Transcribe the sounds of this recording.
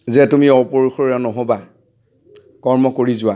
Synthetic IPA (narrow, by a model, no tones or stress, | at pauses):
zɛtumiɔpoɹuxoɹanɔɦoba | kɔɹmɔkoɹizʊwa